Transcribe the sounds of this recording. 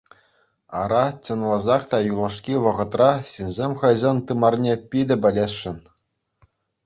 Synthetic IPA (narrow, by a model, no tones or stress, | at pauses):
ɑ̰ɾɑt͡ɕɤ̆nlˠɑzɑχt̪ɑjulˠɑʂkʲiʋɤ̆ʁɤ̆t̪rɑɕinʲzʲemʲχɤ̆jzɑnt̪ɯmɑrnʲepʲid̪ʲɘ̆bʲɘ̆lʲesːɘ̆n